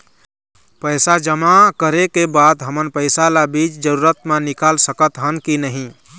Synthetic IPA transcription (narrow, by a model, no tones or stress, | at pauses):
pəjsad͡ʒəmakəɾekebad̪ɦəmənpəɪsalabit͡ʃd͡ʒəɾuɾət̪manikalsəkət̪ɦənkinəɦĩ